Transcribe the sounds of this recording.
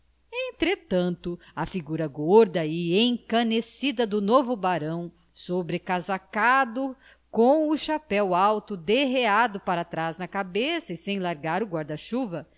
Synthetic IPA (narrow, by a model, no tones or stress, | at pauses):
ẽt̪ɾet̪ɐ̃nt̪ʊɐfiɡuɾɐɡoɾd̪ɐɪẽj̃kɐnesid̪ɐd̪ʊnovʊbaɾɐ̃w̃ | sobɾekazakad̪ʊ | kõw̃ʊʃapɛwawt̪ʊd̪eɦead̪ʊpaɾɐt̪ɾaznɐkabesɐɪsẽj̃laɾɡaɾʊɡwaɾd̪ɐʃuvɐ